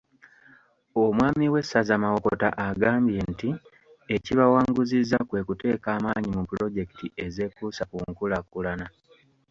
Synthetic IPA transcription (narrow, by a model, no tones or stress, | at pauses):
omwaːmiwe̞sazamawo̞kota̰ʔaɡaːmbje̞nti | eciβawaːŋɡuzizːakwe̞ːkute̞ːkaːmaːɲimupulo̞ɟe̞ki̥tiʔe̞ze̞ːkusakuŋkulakulana